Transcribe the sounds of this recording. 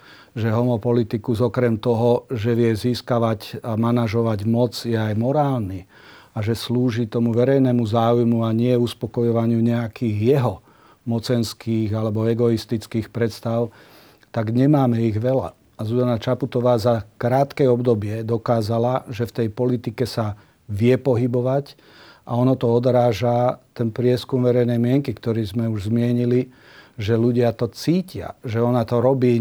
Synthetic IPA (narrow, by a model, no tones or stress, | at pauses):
ʒɛɦɔmɔpɔlit̪ikuzɔkɾɛmt̪ɔɦɔʒɛʋɪɛziːskaʋaɟamanaʒɔʋaɟmɔd͡zjɛajmɔɾaːlni | aʒɛsluːʒit̪ɔmuʋɛɾɛjnɛmuzaːujmuaɲɪɛuspɔkɔjɔʋaɲɪuɲɛakiːɣjɛɦɔ | mɔt͡sɛnskiːɣalɛbɔɛɡɔist̪it͡skiːxpɾɛt̪st̪aʊ | t̪aɡɲɛmaːmɛiɣʋɛla̰ | azuzanat͡ʃaput̪ɔʋaːzakɾaːt̪kɛɔbd̪ɔbɪɛd̪ɔkaːzalaʒɛft̪ɛjpɔlit̪ikɛsa | ʋɪɛpɔɦibɔʋac | ʔaɔnɔt̪ɔɔd̪ɾaːʒat̪ɛnpɾɪɛskumʋɛɾɛjnɛjmɪɛŋkikt̪ɔɾiːzmɛuʒzmɪɛɲili | ʒɛluɟɪat̪ɔt͡siːcɪa̰ʒɛɔnat̪ɔɾɔbiː